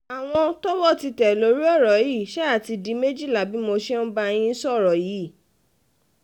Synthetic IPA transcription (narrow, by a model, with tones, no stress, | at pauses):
a˨w̃ɔ̃˧tɔ˦wɔ˦˨ti˧tɛ˨lo˨˦ɾi˦ɔ˦˨ɾɔ˨˦ji˦˨ʃɛ˦a˦˨ti˧di˨˦me˦d͡ʒi˦˨la˨bi˨˦mo˧ʃɛ˦n̩˦ba˧j̃ĩ˧˦sɔ˦˨ɾɔ˨ji˨˦˨